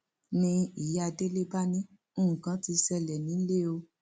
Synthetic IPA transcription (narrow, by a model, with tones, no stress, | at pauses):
nĩ˧i˨ja˧˨de˦le˦ba˦nĩ˦ | ũ˦ũ˨kã˨˦ti˧sɛ˧lɛ˨nĩ˨˦le˦o˧